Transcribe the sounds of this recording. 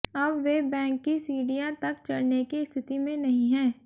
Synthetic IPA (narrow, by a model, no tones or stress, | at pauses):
ɐbʋebɛ̃ːŋkːisiːɖijat̪ɐkt͡ʃɐɽnekiɪst̪ʰɪt̪imẽnɐɦĩɦɛ̃ː